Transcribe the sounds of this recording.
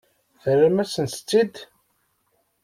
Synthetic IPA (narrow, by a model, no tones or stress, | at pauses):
θəɾamæsənst͡sːid̪